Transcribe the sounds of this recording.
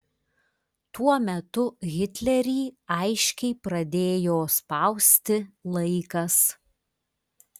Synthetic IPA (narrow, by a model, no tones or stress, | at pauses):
t̪uɔmʲɛt̪ʊɣʲɪt̪ʲlʲɛɾʲiːɐɪʃʲkʲɛɪpɾɐd̪ʲeːjoːspɐʊsʲt̪ʲɪlˠɐɪkɐs